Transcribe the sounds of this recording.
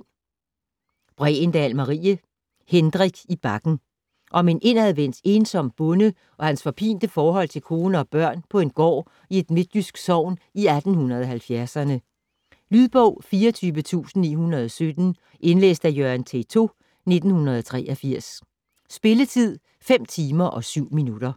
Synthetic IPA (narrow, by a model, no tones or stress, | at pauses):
b̥ʁɛ̰ːend̥ælmɑʁḭːə | hend̥ʁiɡ̥ib̥ɑ̈ɡ̥n̩ | ʔɒ̽me̝nʔe̝næðˠʋen̰d̥e̝ːnsɒ̽m̰b̥ɔ̽nə | ʔɒ̽hænsfɒ̽pʰḭːnd̥əfɒːɦɒ̽l̰t͡sʰe̝lkʰo̝ːnəɒ̽b̥ɶɐ̰npʰɒ̽e̝nɡ̥ɒ̰ː | ie̝d̥me̝d̥jysɡ̥sɒʊ̰niæd̥n̩hunɐð̞ˠɒ̽ɦælfjæɐsɐnə | lyðˠb̥ɔʊ̰fiːɐt͡sʰyːʋət͡sʰṵːsn̩ːḭːhunɐð̞̩ˠɒ̽sød̥n̩ | ʔe̝nlḛːsd̥æjøænt͡sʰḛt͡sʰo̝ː | ne̝d̥n̩hunɐð̞ˠɒt͡sʰʁɛ̰ːʔɒfiɐ̰s | sb̥e̝lət͡sʰið̰ˠ | fem̰t͡sʰiːmɐʔɒ̽syʊ̰minud̥ɐ